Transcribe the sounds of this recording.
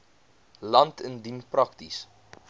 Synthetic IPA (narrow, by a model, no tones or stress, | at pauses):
lɐntʰəndinprɐktis